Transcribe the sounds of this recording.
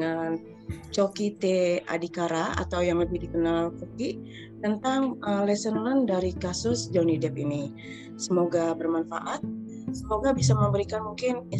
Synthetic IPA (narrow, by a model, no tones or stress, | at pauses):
ŋan | t͡ʃokit̪ea̰dikaɾaa̰t̪awjaŋləbɪhdikənalkuki | t̪ənt̪aŋəlɛsənləndaɾikasʊsd͡ʒonidɛp̚ini | səmoɡabərmanfa̰ʔat̪̚ | səmoɡabis̬aməmbəɾikanmuŋkɪn